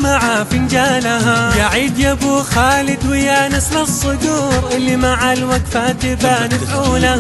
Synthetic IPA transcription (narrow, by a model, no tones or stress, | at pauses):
maʕafɪnd͡ʒaːlaɦajaʕiːd̪jabuːxaːlɪd̪wɪjaːnɪslasˤːɨd̪uːɾʔɪlːimaʕalwaɡfaːt̪ɪbanɪfʕuːla